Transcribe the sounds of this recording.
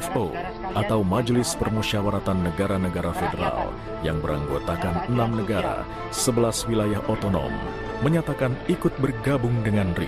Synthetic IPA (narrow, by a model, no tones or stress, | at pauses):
fo̰ | ʔat̪awmad͡ʒlɪspərmuʃiawaɾat̪anːəɡaɾanəɡaɾafedəɾa̰l | jaŋbəɾa̰ŋɡot̪akanənamnəɡaɾa̰ | səbəlaswilajaɦot̪onɔ̰mː | əɲat̪akanikʊt̪̚bərɡabʊŋdəŋanrḭ